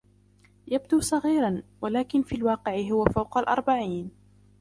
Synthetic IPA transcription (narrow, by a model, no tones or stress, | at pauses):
jab̚d̪uːsˤɑɣiːɾɑnwalaːkɪnfiːlwɑːqɪʕɪɦʊwafawqɑlʔɑ̰ɾˤbaʕiːn